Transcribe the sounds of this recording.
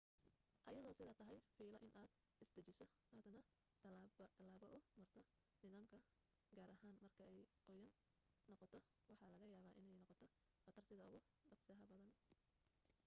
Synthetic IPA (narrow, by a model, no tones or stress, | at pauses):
ʔɐjɐðɔːsɪðaːt̪ʰɐɦɛjfiːlɐʔɪnʔaːd̪ | ʔɪsd̪ɐt͡ʃɪsɔ | ʔɐd̪ɐnɐ | t̪ʰɐlaːβɔʔʊmɐrt̪ʰɔ | nɪðaːmkʰɐ | ɡaːɾɐɦaːnmɐrkʰɐɛjqɔjɐnː | ɔqɔt̪ʰɔ | wɑħɑːlɐɣɐjaːβaːʔɪnɛjnɔqɔt̪ʰɔ | qɑt̪ʰɐrsɪðɐʊɣʊ | ɖɑqsaːɦɐbɐðɐn